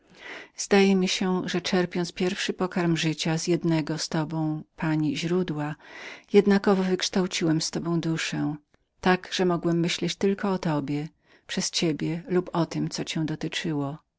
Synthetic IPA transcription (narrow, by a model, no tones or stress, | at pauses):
zd̪ajɛmʲiɕɛʐɛt͡ʂɛɾpʲjɔnt̪spʲjɛɾfʂɘpɔkaɾmʐɘt͡ɕazjɛd̪nɛɡɔst̪ɔbɔ̃w̃paɲiʑɾud̪wajɛd̪nakɔvɔvɘkʂt̪awt͡ɕiwɛmst̪ɔbɔ̃w̃d̪uʂɛ̃ | t̪aɡʐ̥ɛmɔɡwɛmːɘɕlɛt͡ɕt̪ɘlkɔːt̪ɔbʲjɛ | pʂɛst͡ɕebʲjɛlupʰɔt̪ɘmt̪sɔt͡ɕɛ̃w̃d̪ɔt̪ɘt͡ʂɘwɔ